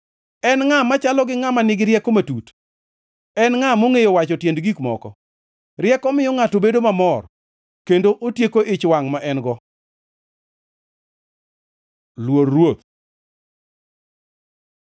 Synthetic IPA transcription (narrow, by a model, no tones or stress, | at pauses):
ɛnŋamat͡ʃalɔɡɪŋamanɪɡɪɾjɛkomatut | ɛnŋamoŋejowat͡ʃɔtjendɡikmɔ̰kɔ̰ | rjɛkɔmɪjɔŋatobedomamɔr | kendoʔotjekoʔɪt͡ʃwaŋmaʔɛnɡɔ | lwoɾːwot̪̚